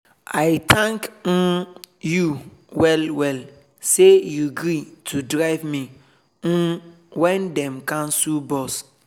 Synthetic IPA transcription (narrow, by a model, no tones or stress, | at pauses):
ajt̪ʰãŋkn̩juwɛlwɛl | sejuɡɾitʰudɾaɪvmĩ | nũ | wɛ̃ndɛ̃mkãmsubɔs